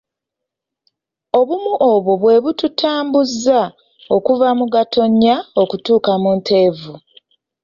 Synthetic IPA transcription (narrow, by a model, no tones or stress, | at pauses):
o̞βumuʔoβo̞βwe̞βututaːmbuzːa | o̞kuvamuɡatʰo̞ɲjao̞kutuːkamuːnte̞ːvu